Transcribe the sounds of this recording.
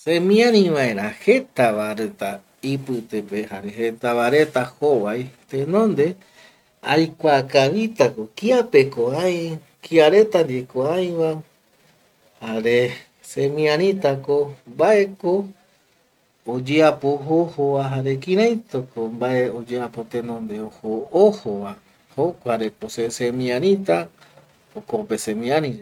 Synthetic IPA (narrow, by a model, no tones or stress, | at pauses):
sẽmĩãɾ̃ĩʋae̞ɾahe̞t̪aβaɾet̪a | ipɨt̪epe̞haɾe̞het̪aβaɾe̞t̪ahoʋajt̪ẽnõ̞nd̪e̞ | ajkʷakaβit̪ako̞kiape̞koãj̃ | kiaɾe̞t̪and̪ekoãj̃βa | haɾe̞ | semĩãɾ̃ĩt̪akombaʔe̞ko | d͡ʒeapoɦohoβaɦaɾe̞kĩɾãj̃t̪okombaʔe̞od͡ʒeapo̞t̪enõnd̪eohoohowa | hokʷaɾekosesemĩãɾ̃ĩt̪a | okopesẽmĩãnĩd͡ʒe